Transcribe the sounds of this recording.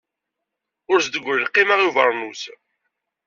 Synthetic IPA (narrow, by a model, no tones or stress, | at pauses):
ʊɾsd̪əɡʷːɾlqːimaʁjuvə̰ɾˤnus